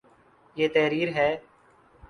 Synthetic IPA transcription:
jeːt̪ɛːɾiːɾɦɛː

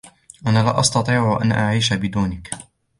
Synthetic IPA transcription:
ʔanaːlaːʔɑst̪ɑt̪ˤiːʕʊʔa̰nʔaʕiːʃabɪd̪uːnɪk

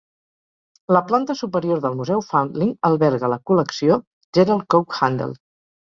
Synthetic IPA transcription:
ləplant̪əsupəɾioɾðəlˠmuzɛwfawnd̪liŋəlˠβɛɾɣələkuləksio | ʒɛɾalˠkowkxand̪ə̰lˠ

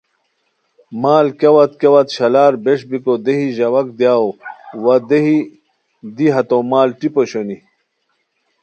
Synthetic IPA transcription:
maːlkɐwɐt̪kɐwɐt̪ɕɐlaːɾbeʂbikod̪eɦiʑɐwɐk̚d̪jaːowɐd̪eɦi | d̪iɦɐt̪omaːlʈipoɕoni

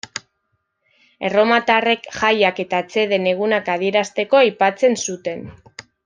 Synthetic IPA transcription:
e̞ro̞mat̪are̞kxajake̞t̪aet͡se̞ðe̞ne̞ɣ̞unakað̞ie̞ɾast̪e̞ko̞ajpat͡se̞nsut̪e̞n

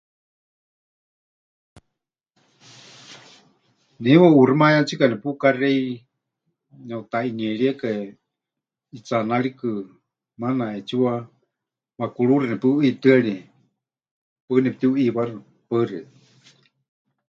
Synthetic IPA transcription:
niwaurimajat͡sʰikanɛpukarɛi | nɛut̪ainiɛɺiaka | it͡sanaɺikɨ | manaɛt͡siwa | wakuɺuɾɨnɛpɨit̪ɨaɺi | pɨnɛp̚t̪iuʔiβarɨ | pərɛ

